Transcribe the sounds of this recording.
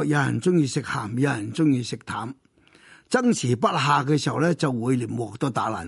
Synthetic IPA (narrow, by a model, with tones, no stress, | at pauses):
k̚jaː˨˧jɐ˨˩nt͡sʊ˥ŋjiː˧sɪ˨k̚haː˨˩m˧jaː˨˧jɐ˨˩nt͡sʊ˥ŋjiː˧sɪ˨k̚t̪ʰaː˨˥m | t͡sɐ˥ŋsiː˨˩p̬ɐ˥t̚ɦaː˨˧k̬ɛː˧si˨wlɛː˥t͡sɐ˨wːuː˨˧jliː˨˩nwɔː˨˩k̚t̪ɔː˧t̪aː˨˧˥laː˨˩n